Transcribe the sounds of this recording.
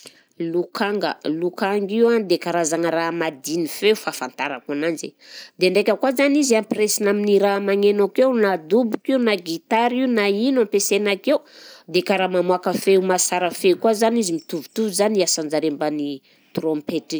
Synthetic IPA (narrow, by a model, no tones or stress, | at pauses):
lukʰaŋɡə̰lukaŋɡiwand̪ekaɾazaŋəramad̪inifeufafant̪aɾakananzḛd̪eɳɖ͡ʐekʲəkwazaniziampresinaminiɾamaŋenakewnad̪ubukiunaɡit̪aɾiwnainampesenakeud̪ekaɾamamuakəfeumasaɾəfekwazanizimit̪uvut̪uvuzaniasand͡ʒaɾembani | t̪rompeti